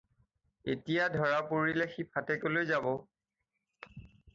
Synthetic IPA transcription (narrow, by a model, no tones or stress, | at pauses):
etijadʱɔɹapoɹilɛxipʰatɛkolojzabɔ